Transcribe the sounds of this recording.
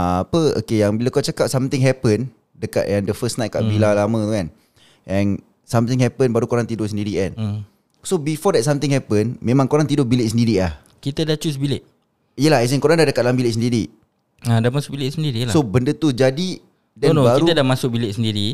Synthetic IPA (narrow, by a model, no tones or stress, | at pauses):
aapəo̰kejaŋbilakaʔt͡ʃakap̚samt̪ɪŋɦɛpən | dəka̰ʔ̪ʔɛndəfəsnãjt̪̚ka̰ʔbilalamə̃t̪kan | ʔɛn | samt̪ɪ̃ŋɦɛpənbaɾukoɾaŋt̪idʊsəndiɾiʔɛn | sobifɔdɛt̚samt̪ɪŋhɛpənmẽmãŋkoɾaŋt̪idʊbilɪʔs̬əndiɾilah | kit̪ədat͡ʃus̬bilɪʔ | ijəlaɦɛs̬ənkoɾaŋdahdəkat̪̚lambilɪʔs̬əndiɾi | adahmasʊk̚bilɪʔsəndiɾilasobəndət̪ud͡ʒadi | dɛnbaiɾuədamasʊk̚bilɪʔsəndiɾi